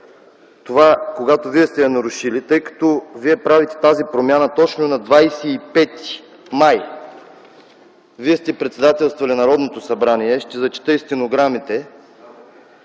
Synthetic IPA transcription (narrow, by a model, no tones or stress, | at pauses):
t̪ovakoɡat̪oviɛst̪ɛjɐnɐɾʊʃilit̪ɤjkɐ̥t̪oviɛpɾavit̪ɛ̥t̪azipɾomʲjanɐt̪ɔt͡ʃnonɐd̪vajsɛːpɛt̪i̥ | maj | viɛst̪ɛpɾɛt̪sɛd̪at̪ɛlˠst̪volinɐɾɔd̪not̪osɐbɾaniɛʃt̪ɛzɐt͡ʃɛ̥t̪əist̪inoɡɾamit̪ɛ